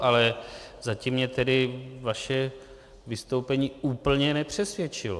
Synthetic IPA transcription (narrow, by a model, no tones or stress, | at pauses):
ʔalɛzacimːɲɛt̪ɛdɪvaʃɛ | vɪst̪owpɛɲiːuːpl̩ɲɛnɛpr̝̥ɛsvjɛt͡ʃɪlo